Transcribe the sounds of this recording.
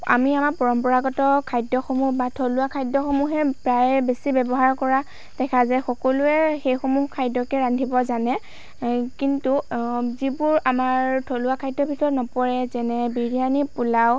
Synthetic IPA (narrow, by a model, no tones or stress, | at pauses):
a̰miamaɹpɔɹɔmpɔɹaɡɔtɔkʰajdɔxomuhbatʰoluakʰajdɔxomuɦɛpɹajbesibɛbɔɦaɹkɔɹa | d̥ɛkʰazɛxɔkɔlʊɛxejxomuhkʰajdɔkɛɹandʱibɔzanɛ | kintuzibʊɹamaɹtʰoluakʰajdːɔbʱitɔɹnɔpɔɹɛzɛnɛbiɹianipulaw